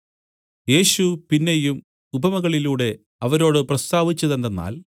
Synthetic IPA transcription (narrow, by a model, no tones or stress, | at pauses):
je̞ːɕupinːe̞jum | ubɐmɐɣɐɭiluːɽe̞ | ɐʋɐɾo̞ːɽɨprɐst̪aːʋit͡ɕːɐðend̪enːa̰ːl